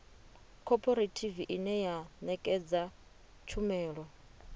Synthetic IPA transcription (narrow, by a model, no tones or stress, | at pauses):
kʰɔpʰʼɔɾetʰiviʔinɛjanɛkʼɛd͡za | t͡ʃʰumɛːɺɔ